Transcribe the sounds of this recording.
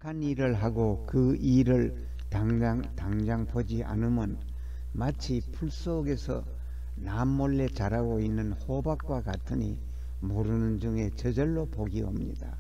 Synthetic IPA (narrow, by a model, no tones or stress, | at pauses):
kʰaniɾɯɭɦaɡokɯiɾɯɭ | taŋaŋtaŋd͡ʑaŋpʰod͡ʑiʔa̰nɯmɯn | mat͡ɕʰipʰuɭs͈oɡe̞sʰʌ̰ | namːʌɭːe̞t͡ɕaɾaɡoinːɯnhobak͈wakatʰɯɲi | moɾɯnɯnd͡ʑɯŋe̞t͡ɕʌd͡ʑʌɭːopoɡio̰mɲḭda̰